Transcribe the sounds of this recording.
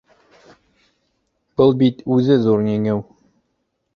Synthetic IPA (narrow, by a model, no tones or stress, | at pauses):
b̥ɤlˠbit̪ʉzɘzuɾnæŋɘw